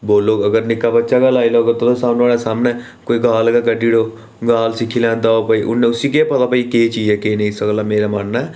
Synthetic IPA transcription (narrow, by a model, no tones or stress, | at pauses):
boːlːoːɡəɡəɾnikːabɐtːt͡ʃakalaːilaɡɐt̪ot̪osãːnaɽesaːmne | koːiɡaːlkakɐʈiɽo | ɡaːlsikʰilãːnt̪aopəiʔʊ̰nːeʊsikepɐt̪apəiket͡ʃid͡ʒekenɐĩsəklameːɾamanːa